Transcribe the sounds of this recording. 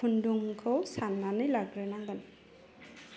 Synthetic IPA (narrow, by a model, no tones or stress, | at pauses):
unduŋkʰowsanːanɯjlaɡɾɛnaŋɡan